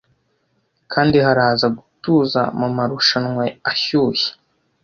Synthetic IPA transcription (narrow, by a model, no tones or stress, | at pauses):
kʰaːndihaɾaːzaɡutuːza̰mumaɾuʃanŋweaçuːje̥